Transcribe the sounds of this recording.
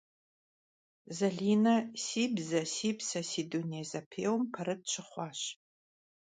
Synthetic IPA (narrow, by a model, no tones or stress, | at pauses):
zɐɮiːnɐsiːbzɐsiːbsɐsiːduniɛzɐpʰeːwmpʰɐrɨt̚t͡ʃʷʰɨχʷɑːɕ